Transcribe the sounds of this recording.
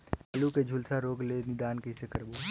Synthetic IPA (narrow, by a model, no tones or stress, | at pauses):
ɐluked͡ʒʱʊlsaɾoːɡlenɪd̪aːnkəisekɐɾboː